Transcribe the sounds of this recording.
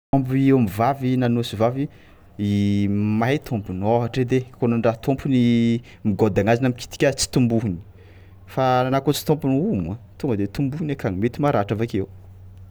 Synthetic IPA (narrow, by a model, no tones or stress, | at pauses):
ombiewamivavinanosivavi | imajt̪ʰompunoɦaʈ͡ʂed̪ekonaɳɖ͡ʐaɦt̪ompuni | miɡod̪aŋazinamiki̥t̪i̥kʲat͡si̥t̪umbuɦini̥ | faanakot͡si̥t̪õmpunumat̪uŋɡəd̪et̪umbuhinekaŋimet̪imaɾaʈ͡ʂavakew